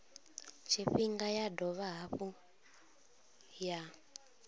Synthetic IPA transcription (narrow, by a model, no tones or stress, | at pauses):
t͡ʃʰeɸiŋɡajadɔβaɦaɸu | ja